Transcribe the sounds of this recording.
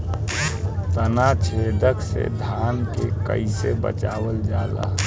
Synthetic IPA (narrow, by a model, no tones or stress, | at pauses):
t̪ənat͡ʃʰeːd̪ʱəksḛd̪ʱaːnkekə̰ɪsebə̰t͡ʃaːwəld͡ʒaːla̰